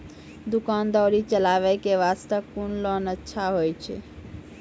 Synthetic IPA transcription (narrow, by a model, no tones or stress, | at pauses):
d̪ukand̪ɔɾit͡ʃəlaβɛkeʋast̪əkːunlɔnətːʃʰaɦojt͡ʃʰɛ̰